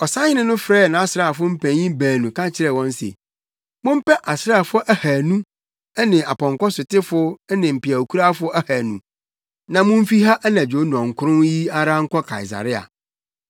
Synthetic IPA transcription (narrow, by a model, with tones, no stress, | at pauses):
ɔ˨sa˦ɲɪ˦nʊ̃˦nʊ̃˦fɾɛː˦˨nã˨˦a˦˨sɾa˦˨fʊ˦m̩˦pʰæ̃˨ɲĩ˦bæː˨nũ˨kʰã˦t͡ɕʰɪ˦ɾɛ˨wɔ̃˦n˦sḛ˨ | mʊ̃˦m̩˦pɛ˦ʔa˨sɾa˦˨fʊ˦ʔæ˦hæ˨nũ˦ | ɛ˦nɪ̃˨a˨pɔ̃˨ŋkɔ˦sʊ˨tɪ˦fʊ˦ɛ˦nɪ̃˨m̩˨pɪ˨a˨o˨kʰu˦ɾa˦fʊ˦æ˦hæ˨nṵ̃˨ | nã˨mʊ̃˦m̩˦fi˦ɦa˦ʔnã˨d͡ʑᶣo˨˦n˨ɔ̃˨ŋ̩˨kʰʊ˦ɾʊ̃˦ji˦a˦ɾa˦ŋ̩˦kʰɔ˦kʰa̰˨i˨s̬a̰˨ɾɪ˦a̰˨